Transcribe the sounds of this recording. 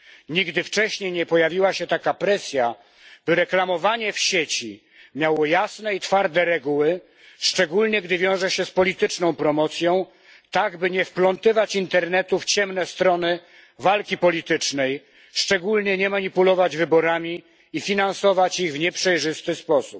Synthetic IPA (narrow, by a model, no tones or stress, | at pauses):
ɲiɡd̪ɘft͡ʂɛɕɲejɲɛpɔjavʲiwaɕɛt̪akapɾɛsʲja | b̥ɘɾɛklamɔvaɲɛfɕet͡ɕi | mʲjawɔjasnɛit̪faɾd̪ɛɾɛɡuwɘ | ʂt͡ʂɛɡulɲɛɡd̪ɘvʲjɔ̃w̃ʐɛɕɛspɔlʲit̪ɘt͡ʂnɔ̃w̃pɾɔmɔt̪sʲjɔ̃w̃ | t̪aɡbɘɲɛfplɔnt̪ɘvat͡ɕint̪ɛɾnɛt̪uft͡ɕɛmnɛst̪ɾɔnɘ | valkʲipɔlʲit̪ɘt͡ʂnɛj | ʂt͡ʂɛɡulɲɛɲɛmaɲipulɔvad͡ʑvɘbɔɾamʲi | ifʲinansɔvat͡ɕiɣvɲɛpʂɛjʐɘst̪ɘspɔsup̚